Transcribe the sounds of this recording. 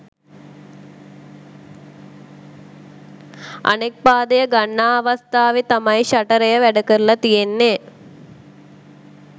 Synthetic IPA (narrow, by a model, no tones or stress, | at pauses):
a̰nek̚paːd̪əjəɡanːaːʋɐst̪aːʋet̪amajiɕaʈəɾejəʋæɖəkəɾulɐt̪ijenːe